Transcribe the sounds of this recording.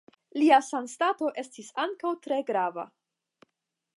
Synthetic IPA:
liasanstato̞ʔe̞stisaŋkawtɾe̞ɡɾava̰

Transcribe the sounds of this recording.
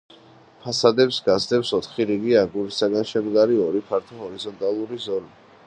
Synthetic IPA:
pʰasad̪ɛpsɡasd̪ɛpsɔt̪ʰχiɾiɡiaɡuɾisaɡanʃɛmɡ̪aɾiɔɾipʰaɾt̪ʰɔɦɔɾizɔnt̪ʼalˠuɾizɔli

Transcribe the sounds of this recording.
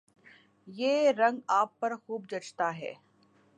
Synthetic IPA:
jeːɾɐ̃ŋɡaːpːɐɾxuːb̚d͡ʒɐt͡ʃt̪aɦɛ̰ː

